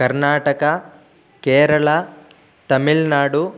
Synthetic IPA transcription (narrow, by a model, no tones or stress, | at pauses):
kɐɾnaːʈɐkɐ | keːɾɐɭɐ | t̪ɐmiɭnaːɽu